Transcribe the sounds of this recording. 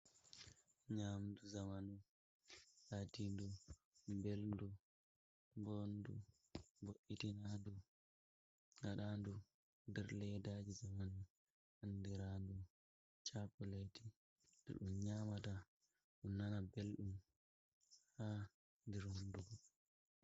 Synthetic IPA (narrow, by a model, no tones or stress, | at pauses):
ɲaːmduzamanu | hatindu | beldu | bondu | boʔitinandu | ŋaɗaːndu | ndɛɾlɛjdaːd͡ʒizamanu | handiɾandu | t͡ʃakɔleti | dɛ̰ɗumɲaːmata | ɗunːanabelɗum | ha | ndiɾonduɡɔ